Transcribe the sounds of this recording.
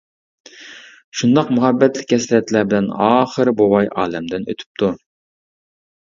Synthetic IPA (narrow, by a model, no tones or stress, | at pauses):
ʃund̪ɑqmuɦɛbːɛt̪lɪkʲːɛsɾɛt̪læɾbɪlɛnɑːχəɾbowɑjʔɑ̰ːlɛmd̪ɪnø̰t̪ʰy̥p̚t̪ʰu